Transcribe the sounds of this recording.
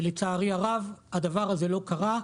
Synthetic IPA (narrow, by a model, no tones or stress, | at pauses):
let͡saːʁiaʁavad̪avaʁaze̞lo̞kaʁa